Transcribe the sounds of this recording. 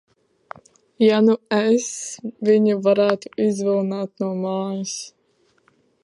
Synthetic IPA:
januɛsviɲuvaɾæːt̪u̥izvilˠnaːt̪nuɔmaːjis

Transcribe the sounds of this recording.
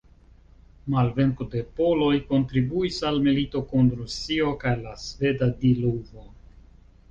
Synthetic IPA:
malve̞ŋkude̞po̞lo̞jko̞ntɾibuisalmilito̞kunɾusio̞kajlasve̞dadiluvo̞

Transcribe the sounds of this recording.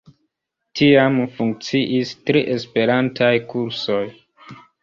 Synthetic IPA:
tiamfuŋk̚t͡siʔistɾiʔe̞spe̞ɾantajkuɾso̞j

